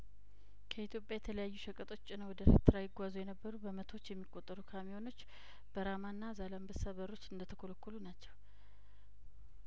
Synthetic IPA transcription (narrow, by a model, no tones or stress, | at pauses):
kʰəit̪jo̞pʼjajɛt̪ʰələjajːuʃəkʼət̪ʼo̞t͡ʃːnəwɔd̪əɾekt̪ʰɨɾajɪɡʷazujɛnəbːəɾubəmət̪ʰo̞t͡ʃːjɛmːikʼːo̞t̪ʼːəɾukʰamijo̞no̞t͡ʃː | b̥əɾamanːazalambəsaβəɾo̞t͡ʃːɨnd̪ət̪ʰəkʰoləkːulunat͡ʃːɛw